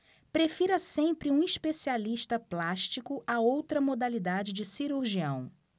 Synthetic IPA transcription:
pɾefiɾɐsẽmpɾɪũiʃpesialiʃt̪ɐplaʃt͡ʃikʊʔaowt̪ɾɐmod̪alid̪ad͡ʒɪd͡ʒɪsiɾuɾʒiɐ̰̃w̃

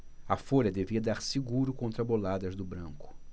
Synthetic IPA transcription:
ɐfoʎɐd̪eviɐd̪aɾsɪɡuɾʊkõnt̪ɾɐbolad̪ɐzd̪ʊbɾɐ̃ŋkʊ̥

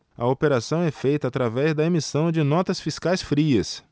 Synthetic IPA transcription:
ɐ̰opeɾasɐ̃w̃ɛfejt̪ɐːt̪ɾavɛzd̪ɐemisɐ̃w̃d͡ʒɪnɔt̪ɐsfiskajsfɾiɐs

